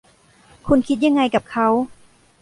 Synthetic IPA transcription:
kʰu˧nkʰi˦˥t̪̚ja˧ŋːa˧jka˨˩p̚kʰa˦˥w

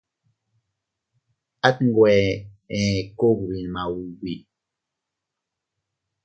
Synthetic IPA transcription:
a˦t̚ŋ̩˨ɡwɛ˨ | ɛ̃˨ko˦k̚wi˨n˨ma˨wu˨ɡi˨

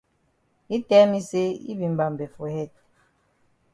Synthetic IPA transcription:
i˦tɛ˦mi˦se˦ḭ˦bi˨m˦ba˨m˨bɛ˨fo˨hɛ˦˨t̚

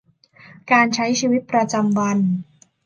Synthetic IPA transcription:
kaː˧nt͡ɕʰa˦˥jt͡ɕʰiː˧wi˦˥t̪̚pɾa˧t͡ɕa˧mwa˧n

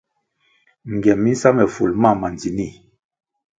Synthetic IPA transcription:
ŋ˨ɡɛ˨mːi˦n̩˦sa˦mɛ˨fṵ˨lma˦˨ma˨nd͡zi˨ni˦˨

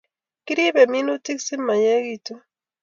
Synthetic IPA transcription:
ki˦ɾi˦be˨mi˦nu˦ti˦ksi˦mːa˨je˦ɣi˦tu˦

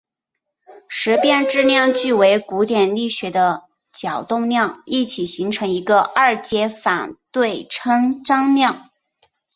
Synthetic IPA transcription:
ʂɻ̩˧˥pjɛ˥˧nʈ͡ʂɻ̩˥˧njɑ˥˧ŋt͡ɕy˥˩we˧˥ɪku˧˥t̪jɛ˨˩nli˥˩ɕɥɛ˧˥d̪ə˧ | t͡ɕjɑ˨˩ʊt̪ʊ˥˧ŋnjɑ˥˧ŋi˥˩t͡ɕʰi˨˩ɕi˧˥ŋʈ͡ʂʰɤ˧˥ŋi˧˥ɡə˧ɐ˞˥˩t͡ɕjɛ˥fa˨˩nt̪we˥˩ɪʈ͡ʂʰɤ˥ŋʈ͡ʂɑ˥ŋnjɑ˥˩ŋ

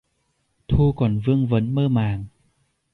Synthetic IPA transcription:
t̪ʰu˧kɔ˨˩nvɨ˧əŋvə˨˦nməː˧maː˨˩ŋ

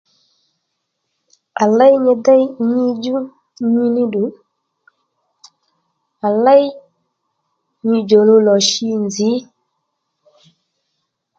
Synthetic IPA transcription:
a˨la˦jɲe˨da˦jɲi˦d͡ʒu˦ | ɲi˦ni˦du˨˦ | a˨la˦j | ɲi˨d͡ʒo˨lo˦lɔ˨ʃi˦nzi˨˦

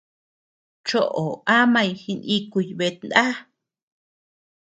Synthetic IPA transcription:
t͡ʃo˦ʔo˨a˦mã˧jhi˧ni˧ku˧jβe˧t̪̚nd̪a˦

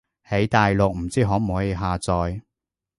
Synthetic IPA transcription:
he˨˥jt̪aː˨jlʊ˨k̚m̩˨˩t͡siː˥ɦɔː˨˥m̩˨ɦoː˨˥je˨˧ɦaː˨t͡sɔː˨j

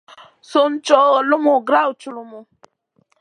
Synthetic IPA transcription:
so˦mt͡ʃʼo˦lʊ˦mu˨ɡɾa˦wt͡ʃu˨lu˦mu˨

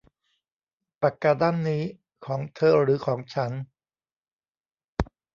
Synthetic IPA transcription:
pa˨˩kːaː˧da˥˩˨nːiː˦˥ | kʰɔː˩˦ŋt̪ʰɤː˧˩ɾɯː˩˦kʰɔː˩˦ŋt͡ɕʰa˦˥n

